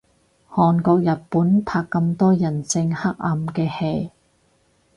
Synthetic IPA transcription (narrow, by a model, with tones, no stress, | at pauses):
hɔː˨nkɔː˧k̚jɐ˨t̚puː˨˥npʰaː˧kːɐ˧mt̪ɔː˥jɐ˨˩nt͡sɪ˧ŋhɐ˥k̚ɐ˧mkɛː˧he˧j